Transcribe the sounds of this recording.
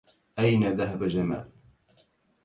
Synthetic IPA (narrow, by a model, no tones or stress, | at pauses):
ʔajnaðaɦabad͡ʒama̰ːl